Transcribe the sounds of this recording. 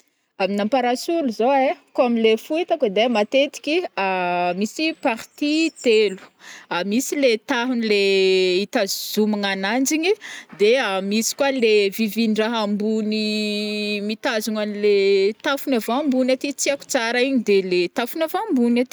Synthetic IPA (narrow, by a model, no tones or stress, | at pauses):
aminampaɾasuluzoekoamilefuit̪akad̪emat̪et̪i̥kʲiamisipaɾt̪it̪elu̥amisilet̪aɦunileit̪azzumaŋanand͡ʒiɲid̪eamisi̥kwalevivinɖ͡ʐaɦambuni | mit̪azuŋanilet̪afunavambunat̪it͡siaku̥t͡saɾaiɲid̪elet̪afunavambunat̪i̥